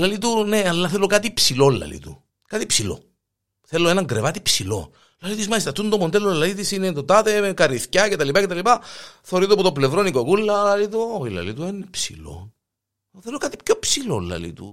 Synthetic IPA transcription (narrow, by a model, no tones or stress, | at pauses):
lɐlit̪une̞ɐlːɐθelokat̪ipsilolːɐ̰lḭt̪u | kat̪ipsilo̞̰ | θe̞lːoe̞nɐŋɡɾevɐt̪ipsilo̞̰ | lɐlit̪uzmɐlist̪ɐt̪und̪omond̪elolːɐlit̪isinet̪ot̪ɐt̪e̞kɐɾiθcɐcet̪ɐlipɐcet̪ɐlipɐθeɾit̪opot̪ople̞vɾo̞nikokulːɐlɐlit̪oilɐ̰lit̪uenːepsḭlo̞̰ | θelokɐt̪i̥pçopsilolːɐ̰lḭt̪ṵ